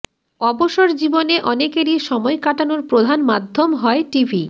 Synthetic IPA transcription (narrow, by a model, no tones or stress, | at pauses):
ɔboʃoɾd͡ʑiboneʔɔnekeɾiʃɔmɔekaʈanoɾpɾod̪ʱanmad̪ʱːomɦɔeʈibʱi